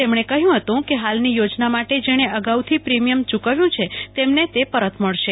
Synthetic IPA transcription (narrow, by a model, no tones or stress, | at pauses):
emɽ̃ekəɦjũɦət̪ũkeɦalnijod͡ʒnamaʈed͡ʒeɽ̃eʔəɡaut̪ʰipɾimijəmt͡ʃukaʋjũt͡ʃʰet̪emnet̪epəɾət̪ʰməɭʃe